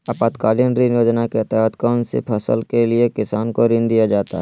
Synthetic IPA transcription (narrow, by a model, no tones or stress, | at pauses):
aːpaːt̪kaːlinɾinjoːd͡ʒnaket̪ɛːɦət̪kaːnsḛpʰəsə̰lkelɪekɪsaːnkoɾɪ̃nd̪ijad͡ʒaːt̪a̰ɦɛ